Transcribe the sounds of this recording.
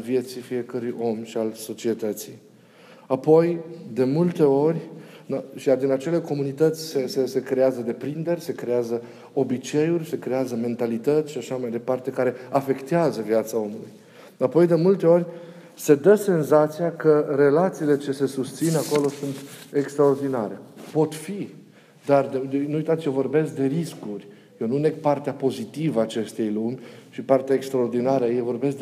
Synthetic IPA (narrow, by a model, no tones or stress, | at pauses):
alvje̞t̪sifije̞kəɾujo̞mʃialso̞t͡ʃie̞t̪ət̪si | apo̞jd̪e̞mult̪e̞o̞rʲnʃijard̪inat͡ʃe̞le̞ko̞munit̪ət̪sʲsesese̞kɾe̞azəd̪e̞pɾind̪e̞rʲse̞kɾe̞azə | o̞bit͡ʃe̞jurʲse̞kɾe̞azəme̞nt̪alit̪ət̪sʲʃaʃamajd̪e̞part̪e̞kaɾe̞afe̞kt̪eazəviat̪sao̞mulṵj | apo̞jd̪e̞mult̪e̞o̞rʲ | se̞d̪əse̞nzat̪sijakəre̞lat̪siːle̞t͡ʃe̞se̞sust̪sinako̞lo̞sunt̪e̞kst̪ɾao̞rd̪inaɾe̞po̞t̪fi | d̪ard̪nuujt̪at̪sjovo̞rbe̞sk̚d̪e̞ɾiskurʲ | jewnunek̚part̪eapo̞zit̪ivəaːt͡ʃe̞st̪e̞jlumʲʃipart̪eaekst̪ɾao̞rd̪inaɾəajejvo̞rbe̞sk̪̚